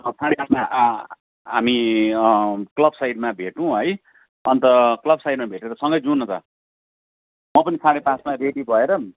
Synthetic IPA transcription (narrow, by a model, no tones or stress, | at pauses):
ʌsaɽepasmaʔ | ɦami | klʌbsajɖmabʱeʈũɦʌj | ʌnt̪ʌklʌbsajɖmabʱeʈeɾʌsʌŋɡʌjd͡zunʌt̪ʌ̰ | mʌpʌnisãɽ̃epasmareɽibʱʌeɾʌ